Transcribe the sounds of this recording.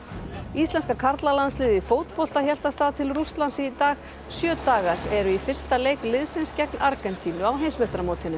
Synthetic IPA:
ist̪ɛnskakʰaɾt̪lalanslɪːðɪfoːwt̪pol̥t̪açɛl̥t̪ast̪aːðt̪ʰɪlrust̪lansɪit̪aːɣ | sjœːt̪aːɣaɾ̥ɛɾʏifɪr̥st̪aleːjklɪðsɪnscɛknaɾkɛnt̪ʰinʏawɦejnsmest̪ɾamoːwt̪ʰɪnːʏm

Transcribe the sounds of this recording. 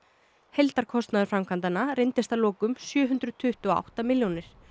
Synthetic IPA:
hejlt̪aɾ̥kʰɔst̪naðʏɾfɾamkʰvant̪anarejnt̪ɪst̪alɔːkʏmsjœːɦʏnt̪ɾʏðt̪ʰʏht̪uɔa̰wht̪amɪljɔnɪɾ̥

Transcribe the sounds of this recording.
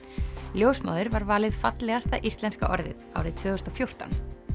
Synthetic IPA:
ljowsma̰wðɪɾvaɾvaːlɪðfat̪lɛɣast̪aʔist̪lɛnska̰ʔɔɾðɪ̰ða̰ːwɾɪðt̪ʰvœːɣʏst̪ɔfjowr̥t̪a̰n

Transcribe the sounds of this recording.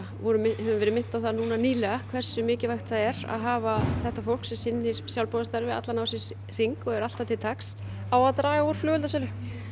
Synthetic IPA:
vɔɾʏmɪhɛvʏmvɛːɾɪmɪn̥t̪awθaðnuːnaniːlɛɣakʰvɛr̥sʏmɪːcɪvaxt̪aðɛɾa̰ðɦaːvaθɛht̪afowl̥ksɛmsɪnːɪɾ̥sjawlpɔðast̪aɾvɪa̰t̪lanawsɪs | r̥iŋkɔɣɛɾal̥t̪at̪ʰɪlt̪ʰaks | aːwat̪ɾaːjauɾ̥flœːɣʏlt̪asɛlʏ

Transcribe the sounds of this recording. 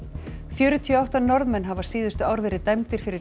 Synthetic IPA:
fjœːɾʏt̪ʰiɔawht̪anɔɾðmɛnːɦavaɾ̥siːðʏst̪ʏaːwɾvɛːɾɪðt̪ajmt̪ɪɾ̥fɪɾɪ

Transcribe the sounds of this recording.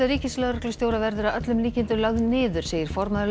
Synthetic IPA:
aɾiːcɪlɛɣɾœklʏst̪joːwɾavɛɾðʏɾaœt̪lʏmliːcɪnt̪ʏɾlaɣðnɪːðʏɾ̥seːjɪɾ̥fɔɾmaðʏɾ

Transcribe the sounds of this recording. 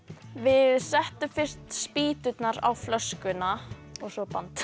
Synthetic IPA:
vɪðsɛht̪ʏmfɪr̥t̪spiːt̪ʏt̪naɾa̰wflœskʏnaɔɣsɔpant̪

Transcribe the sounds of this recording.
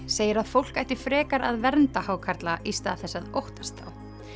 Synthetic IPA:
seːjɪɾaðfowl̥kajht̪ɪ̥fɾɛːkaɾa̰ðvɛɾnt̪ahaːwkʰaɾt̪laʔist̪aθɛsːaðowht̪ast̪a̰ːw

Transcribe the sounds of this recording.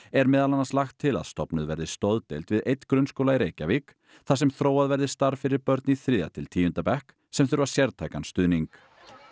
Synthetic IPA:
ɛɾmɛːðalanːanslaxt̪ʰːɪla̰ðst̪ɔpnʏðvɛɾðɪst̪owðt̪ḛjlt̪vɪðejt̪ːkɾʏnskowlaiɾeːjcavik | θasɛmθɾoːwaðvɛɾðɪst̪aɾ̥fɪɾɪɾpœɾt̪niθɾɪːða̰t̪ʰɪlt̪ʰiːjʏnt̪apɛhk | sɛmθʏɾvḁsjɛɾt̪ʰajkanst̪ʏːðniŋk

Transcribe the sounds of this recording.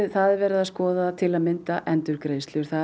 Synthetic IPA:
θaðvɛːɾɪðaðskɔːðat̪ʰɪlaðmɪnt̪aʔɛnt̪ʏɾkɾeːjst̪lɪʏɾ̥θa

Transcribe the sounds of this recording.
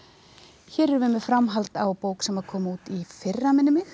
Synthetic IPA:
çɛːɾɛɾvʏmɪðfɾamɦalt̪awpoːwksɛmaðkʰɔːmauːt̪ifɪrːamɪnːɪmɪx

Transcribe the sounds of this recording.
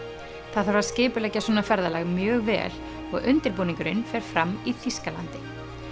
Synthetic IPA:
θaðaɾvaɾ̥scɪːpʏlɛcːasɔːnafɛɾðalɛɣmjœːɣvɛ̰ːl | ɔɣʔʏnt̪ɪɾpuːniŋkʏɾɪnfɛːɾ̥fɾamːiθiskalant̪ɪ

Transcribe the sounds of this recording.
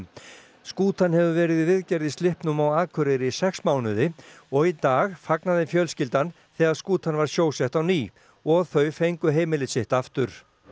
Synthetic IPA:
skuːt̪anhɛvʏvɛːɾɪðivɪðcɛɾðɪst̪ɪhpnʏmawaːðkʰʏɾɪɾɪsɛksmaːwnʏðɪɔɣit̪aːɣfaknaðɪfjœlscɪlt̪an | θɛːɣaðskuːt̪anvaɾ̥sjoːwsjɛht̪awniː | ɔɣθœɥfejŋkʏɦeːjmɪlɪsɪht̪aft̪ʏɾ̥

